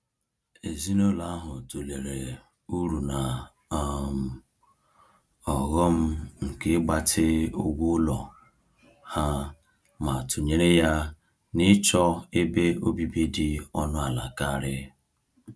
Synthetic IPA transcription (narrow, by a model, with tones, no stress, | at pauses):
e˨zi˦no˦la˨a˦ɦʊ˨to˨le˨ɾe˨ | u˦ɾu˨na˨˦ | m̩˨ | ɔ˨ɣɔ˦m̩˦ŋ̩˨ke˦ɡ͡ba˨tʰɪ˦o˦ɡʷʊ˦lɔ˨ | ha˦ | ma˨tʰʊ˨ɲe˦ɾe˦ja˦ | nɪ˦t͡ʃɔ˦e˦be˦o˦bi˦bi˦dɪ˦ɔ˦nʊ˦a˨la̰˨ka˦a˨ɾɪ˦